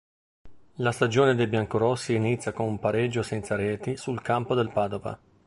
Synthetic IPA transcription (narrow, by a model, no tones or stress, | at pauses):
last̪ad͡ʒoːned̪ejbjaŋkoɾɔsːiːnit̪sʲːjakonumpaɾed͡ʒːosɛnt̪saɾɛːt̪isulkampod̪elpaːd̪ova̰